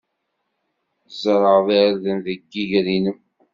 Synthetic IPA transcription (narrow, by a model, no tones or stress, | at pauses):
zɾˤəʁðaɾðənðəɡːiʝɾinəm